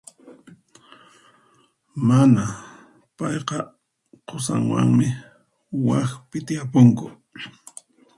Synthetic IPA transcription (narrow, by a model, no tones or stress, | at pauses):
mana | pɑjqɑ | qʰʊsa̰ŋwa̰ŋmɪ | waxpɪt̪ɪjapʊŋkʊ̰